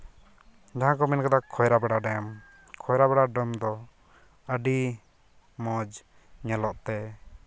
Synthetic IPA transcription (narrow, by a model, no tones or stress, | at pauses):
d͡ʒaɦãkɔmɛnkad̪akʰɔjɾabɛɽaɖɛm | kʰɔjɾabɛɽaɖəmd̪ɔ | əɖi | mɔ̃d͡ʒ | ɲɛlɔʔt̪ɛ